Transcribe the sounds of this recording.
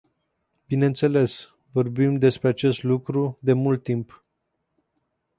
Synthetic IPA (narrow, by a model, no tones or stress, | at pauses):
bine̞nt̪se̞le̞s | vo̞rbimd̪e̞spɾeat͡ʃe̞st̪lukɾud̪e̞mult̪ːimp